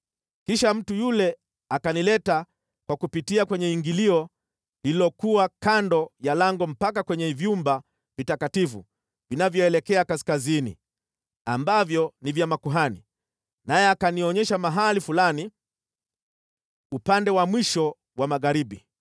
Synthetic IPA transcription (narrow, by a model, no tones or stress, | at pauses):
kiʃam̩tujulɛ | akanilɛta | kwakupitiakwɛɲɛiŋɡiliɔ | hilɔkuwakandɔjalaŋɡɔm̩pakakwɛɲɛvjumba | vitakatifṵ | vinavjɔɛlɛkɛakaskazinḭ | a̰mbavjɔnivjamakuɦani | najɛakaniɔɲɛʃamaɦalifulani | upandɛwamwiʃɔ | wamaɣaɾibi